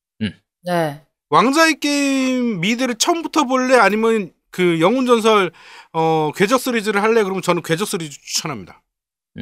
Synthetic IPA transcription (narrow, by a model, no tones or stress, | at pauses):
ne | waŋd͡ʑaek͈emːidɯɾɯɭt͡ɕʰʌmbutʰʌboɭːe̞aɲimjʌn | kɯjʌŋund͡ʑʌns̬ʰʌɭʌkwe̞d͡ʑʌk̚s͈uɾid͡ʑɯɾɯɭɦaɭːe̞kɯɾʌmjʌt͡ɕʌnɯnkwe̞d͡ʑʌk̚s͈uɾid͡ʑit͡ɕu̥t͡ɕʰʌnɦamɲida